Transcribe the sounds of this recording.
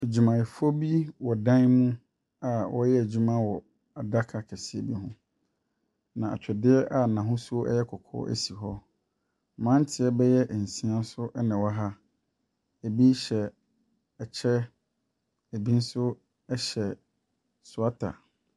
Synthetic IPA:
e˨d͡ʑu˨mã˨ɪ˨fo˦bi˦wɔ˨dã˦n˦mũ˦ | a˨wʔɔ̰˦jɛ˦æ˨d͡ʑu˦mã˦wɔ˨ | a˨da˦kʰa˨kʰɛ˨sɪ˦e˨bi˦ɦʊ̃˦ | nã˨a̰˨t͡ɕʰᶣɛ˨dɪ˦ɛ˦ʔa˨nã˨ɦʊ̃˦su˦o˦ɛ̰˦jɛ˦kʰɔ˨kʰɔ̰˦ʔæ̰˦si˨ɦɔ˦˨ | mã˦n˦tʰɪ˨ɛ˦bɛ˦jɛ˦ʔn̩˨sĩ˦ã˦sʊ˦ʔɛ˦nɪ̃˨wɔ˦ɦa˦ | e˨bi˦ɕɛ˨ | ɛ˨t͡ɕʰɛ˦ | e˨bi˦n̩˦sʊ˦ | ɛ˦ɕɛ˨ | sʊ˨a˦tʰa̰˨

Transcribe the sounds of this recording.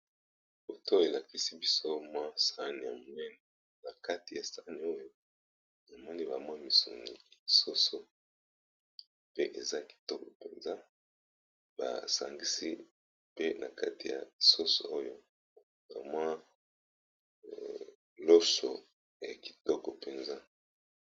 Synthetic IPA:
bo˨tʰo˦e˨la˨ki˦si˦bi˦so˦mwa˦sa˦ni˨ja˨mo˨nɛ˦nɛ˨ | na˨ka˦ti˨ja˨sa˦ni˨o˦jo˦ | e˨mɔ˦ni˦ba˨mwa˦mi˨sṵ˨ŋi˨i˨so˦so˨ | pe˦ʔe˨za˦ki̥˨tɔ˦kɔ˨pe˨nza˦ | ba̰˨sa̰˨ŋɡi˦sḭ˦ | pe˦nʔa̰˨ka˦ti˨ja̰˨so˦so̰˨o˦jo˦ | ba˨mwa˦ | lo˦so̰˨ | ja˨ki̥˨tɔ˦kɔ˨pe˨nza˦

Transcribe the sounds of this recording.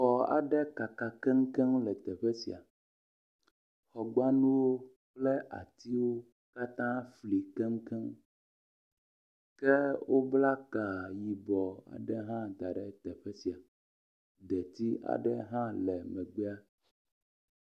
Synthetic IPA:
xɔ˨a̰˨ɖɛ˦ka˨ka˨kɛ˦ŋ̩˦kɛ˦mlɛ˨t̪ɛ˨ɸɛ˦sḭ˨a̰˨ | xɔ˨ɡ͡ba˦nũ˦wo˦ | k͡plɛ˦ʔa̰˨t̪i˦wo˦ | ka˦t̪ã˦fli˨kɛ˦ŋ˦kɛ˦ŋ | kɛ˦wo˦bla˦ka˨ji˨bɔ˨a̰˨ɖɛ˦ɦã˦t̪a˨ɖɛ˦t̪ɛ˨ɸɛ˦si˨a˨ | d̪ɛ˨t̪i˦a̰˨ɖɛ˦ɦã˦lɛ˨mɛ˨ɡ͡bɛ˦a˦

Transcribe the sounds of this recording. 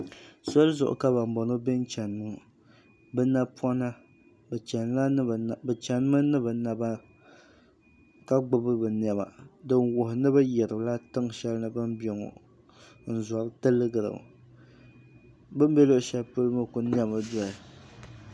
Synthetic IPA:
so˦lzʊ̰˨ʔʊ̰˨ka˦ba˨m˨bɔ˨no˦bɛ˦n˦t͡ʃɛ˨n˨mɨ˦˨ | bɨ˦na˦pʰwɔ˦na˦ | bɨ˨t͡ʃɛ˨nla˦˨bɨ˨t͡ʃɛ˨n˦ma˦nɨ˦ba˨na˨ba˦ | ka˦ɡ͡bʊ˦bɨ˦bɨ˨n˨ɛ˨ba̰˨dɨ˦nwʊ˨hɪ˨nɨ˦ba˦jɛ˨ɾɨ˨bla˦tɨ˦ŋʃɛ˦lnɨ˦bɨ˦mbi˦ɛ˨ŋo̰˨ | n̩˨za˨ɾɨ˦tɨ˦lːɨ˦ɡɨ˨ɾɨ̰˨ | bɨ˦m˦bɛ˦lo˦ʔʃɛ˦lpɨ˦lɨ˦ma˦kʊ˨ni˦ɛ˦ma˨da˨ɪ˨

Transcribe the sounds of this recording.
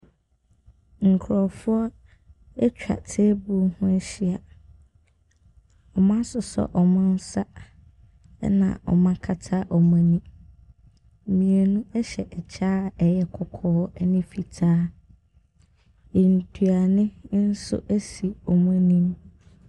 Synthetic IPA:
ŋ̩˨kʰɾɔ˨fʊ˦ɔ˦ | ɛ˦t͡ɕᶣa̰˨tʰe˦bu˦hʊ̃˦ɛ˦ɕi˦a˨ | ɔ˨mã˦sʊ˨sɔ̰˨ʔɔ˨mʊ̃˦n̩˦sa˦ | nã̰˨ɔ̰˨mã˦kʰa˦tʰa˦ʔɔ˨mã˨nĩ˦˨ | mĩ˨e˨nũ˦ɛ˦ɕɛ˨ʔɛ˨t͡ɕʰaː˦ɛ˨jɛ˦kʰʊ˨kʰɔː˦ɛ˦nɪ̃˦fi˨tʰaː˦ | e˨n̩˨tʰu˨a˨nɪ̃˦n̩˦sʊ̰˦ʔæ˦si˨ɔ˨mã˦nĩ˦m

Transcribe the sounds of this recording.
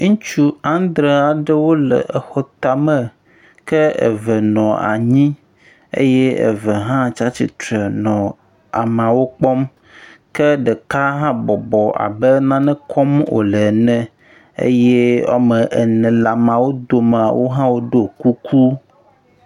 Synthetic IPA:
ŋũ˦t͡ʃu˦ã˦nd̪ɾe˦a˨ɖɛ˦wo˦lə̰˨ʔə˨xɔ˦t̪a˨mə̃˨ | kɛ˦ə̰˨və˨nɔ̃˨a̰˨ɲĩ˦ | ḛ˦jɛ˦ḛ˨və˨ɦã˦t͡ʃa˦t͡ɕi˨t̪ɾə˨nɔ̃˨ | a˨mã˨wo˦k͡pɔ˦m | kɛ˦ɖɛ˨ka˦ɦã˦bɔ˨bɔ˨ʔa̰˨bɛ˦nã˦nɛ̃˦kʰɔ˦mwo̰˨lɛ˨nɛ̃˨ | ḛ˦jɛ˦a̰˨mə̃˨ʔɛ˨nɛ̃˨la˨mã˨wo˦d̪o˨m˨a̰˨wʔo˦ɦã˦wo˦ɖo˦ku˦kʰu˦

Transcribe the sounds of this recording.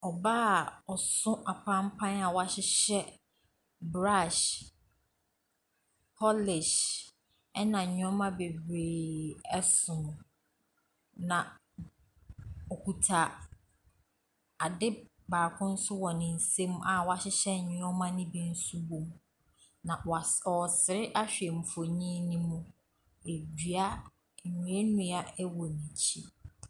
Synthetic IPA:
ɔ˨ba˦˨ɔ˨sʊ̃˦ʔa˨pʰã˦m˦pʰã˦na˨wa˦ɕɪ˦ɕɛ˦ | bɾa˦˨ʃ | pʰɔ˦lɪ˨ʃ | ɛ˦nã˨ɲʊ̃˦ɔ˦mã˦be˨bɾeː˨ɛ˦sʊ̃˨m̃˨ | nã˨ | ɔ˨kʰu˨tʰa˨ | a˨dɪ˦ | baː˨kʰʊ̃˦n̩˦sʊ˦wɔ˨nɪ̃˨n̩˨sẽ˦m˦ʔa˨wɔ˦a˨ɕɪ˦ɕɛ˦˨ɲʊ̃˦ɔ˦mã˦nɪ̃˦bĩ˨n̩˦su˦bo˨m | nã˨ɔ˨sɪ˨ɾɪ˦ʔa˦ɕᶣɛ˨m̩˨fo˨ɲĩ˦nĩ˦mʊ̃˦ | e˨di˨a˦˨ | ɲũ˨˦e˦nũ˦a˨ɛ˦wɔ˨nĩ˨t͡ɕʰi˦

